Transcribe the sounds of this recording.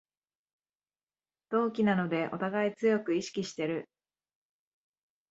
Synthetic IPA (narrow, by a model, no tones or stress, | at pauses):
d̪̥o̞ːkʲinano̞d̪e̞ʔo̞̰t̪aɡait͡sɨjo̞kɯ̟iɕi̥kʲiɕi̥t̪e̞ɾɯ̟